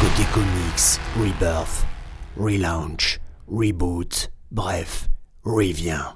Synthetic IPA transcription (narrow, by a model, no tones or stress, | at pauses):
od̪ekɔmiksʁibœʁθʁilãʃʁibut̪bʁɛf | ʁivjɛ̃